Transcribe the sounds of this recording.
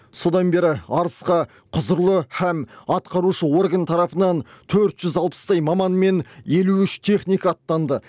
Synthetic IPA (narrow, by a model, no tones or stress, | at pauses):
so̞d̪ɑnbe̞ɾɪɑɾəsqɑ | qʰʊzəɾlˠəhæmɑt̪qɑɾuʃəwo̞rɡɑnt̪ʰɑɾɑpənɑnt̪ʰɵɾt̪ʒ̥ʏzɑlˠpə̥st̪ɑjmɑmɑnme̞ne̞luʏʃt̪ʰe̞χnijkɑːt̪ːɑnd̪ə